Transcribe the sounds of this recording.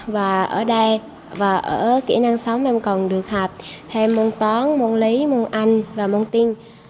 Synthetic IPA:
vaː˨˩ʔəː˧˩ɗə˧j | vaː˨˩ʔə̰ː˧˩kḭ˧˩na˧ŋsa˨˦wŋ͡mʔa˧mkə˨˩nɗɨ˨˩ək̚haː˨˩p̚t̪ʰe˧mːo˧nt̪ɔ˨˦nmo˧nli˨˦mo˧nʔa˧jŋ̟vaː˨˩mo˧nt̪i˧n

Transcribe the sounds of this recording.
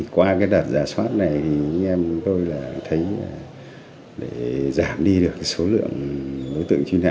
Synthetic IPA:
kwaː˧kaː˨˦jɗəː˨˩t̚zaː˨˩swaː˦˥t̚na˨˩jt̪ʰi˨˩ʔa˧jŋ̟ʔɛ˧m˨˦ŋ͡mt̪o˧jlaː˨˩a˧ŋt̪ʰə˨˦ja˨˩ | ɗe˧˩zaː˧˩mɗi˧ɗɨ˨˩əkːa˨˦jso˨˦lɨ̰˧˨əŋɗo˨˦jt̪ɨ̰˧˨ŋt͡ɕwi˧na̰ː˧˨

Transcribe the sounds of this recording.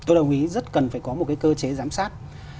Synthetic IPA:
t̪o˧jɗə˨˩wŋ͡mʔi˨˦zə˦˥t̚kə˨˩nfaː˧˩jkɔ˨˦mo˨˩t̚kaː˨˦jkəː˧t͡ɕe˨˦zaː˨˦msaː˦˥t̚

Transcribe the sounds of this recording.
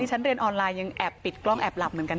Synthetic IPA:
iː˥˩˦nɾi˧ənʔɔː˧nlaː˧jːa˧ŋʔɛ˨˩pːi˨˩t̪̚klɔ˦˥˩ŋʔɛː˨˩p̚la˨˩p̚mɯ˩˦nka˧

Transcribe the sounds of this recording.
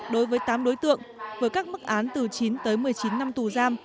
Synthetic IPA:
ɗo˨˦jvəː˨˦jt̪aː˨˦mɗo˨˦jt̪ɨ̰˧˨əŋvəː˨˩jkaː˦˥k̚mɨ˦˥k̚ʔaː˨˦nt̪ɨ˨˩t͡ɕi˨˦nt̪əː˨˦jmɨ˨˩əjt͡ɕi˨˦nːa˧mt̪u˧˨˩zaː˧m

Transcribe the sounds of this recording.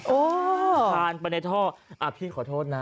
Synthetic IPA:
ʔoː˦˧˩aː˧npa˧ne˧˥t̪ʰɔː˥˩ʔa˧˩pʰiː˥˩kʰɔː˩˦t̪ʰoː˥˩t̪̚na˦

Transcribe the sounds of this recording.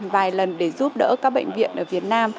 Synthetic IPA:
vaː˨˩jlə˨˩nɗe˧˩zu˦˥p̚ɗə̰ː˧˥kaː˦˥k̚ɓə̰˧˨jŋ̟vḭ˧˨ənʔəː˧˩vi˨˩ət̚naː˧m

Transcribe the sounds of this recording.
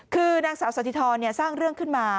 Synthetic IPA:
kʰɯː˧naː˧ŋsaː˩˦wsa˨˦t̪ʰiː˧t̪ʰɔː˧nːi˥˩ɐsaː˥˩ŋɾɯ˥˩əŋkʰɯ˥˩nmaː˧

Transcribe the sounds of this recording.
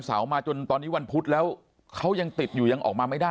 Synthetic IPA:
nsa̰ː˩˦wmaː˧t͡ɕo˧nt̪ɔː˧nːi˦˥wa˧npʰu˦˥t̪̚lɛː˦˥w | kʰa˦˥wja˧ŋt̪i˨˩t̪̚juː˨˩ja˧ŋʔɔː˨˩k̚maː˧ma˥˩jdaː˥˩

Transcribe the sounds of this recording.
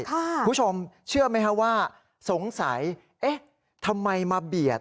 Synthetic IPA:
kʰaː˥˩˧t͡ɕʰo˧mt͡ɕʰɯ˥˩əma˦˥jkʰa˦˥ʔ̚waː˥˩ | so˩˦ŋsa˩˦j | ʔe˦˥ | t̪ʰa˧mːa˧jmaː˧bi˨˩ət̪̚

